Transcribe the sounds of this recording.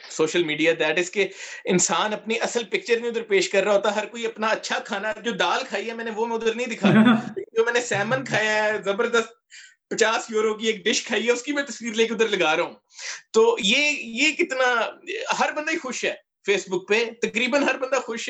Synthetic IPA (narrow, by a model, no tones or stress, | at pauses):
soːʃəlmiːɖijaːd̪ɛːʈɪzkeɪnsaːnɐpneʔɐsəlpɪk̚t͡ʃəɾnĩʊd̪əɾpeːʃkɐɾːaːɦoːt̪aɦɐɾkoːiɐpnaɐtːʃʰakʰaːnad͡ʒoːd̪aːlkʰaːiɦɛmɛ̃ːnẽʋoːmɛ̃ʊd̪əɾnəĩd̪ɪkʰaːaleːkɪnd͡ʒoːmɛ̃ːnẽsɛːmənkʰaːjaɦɛzɐbəɾd̪əst̪̚ | pɐt͡ʃaːsjoːɾok̬ieːk̚ɖɪʃkʰaːiɦɛʊskimɛ̃t̪əsʋiːɾleːk̬eʊd̪əɾləɡaːɾeɦũː | t̪oːjeːjeːkɪt̪naɦɐɾbənd̪aixʊʃɦɛː | fʰeːsbʊk̚pet̪ɐkɾiːbənɦɐɾbə̃nd̪axʊʃ